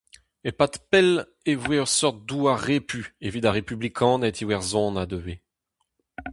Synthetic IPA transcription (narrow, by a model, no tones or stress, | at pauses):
epat̪pɛl | evweœʁsɔʁt̪̚d̪uaʁepyevit̪aʁepyblikʰɑ̃ːnɛt̪iwɛʁzɔ̃ːnad̪øve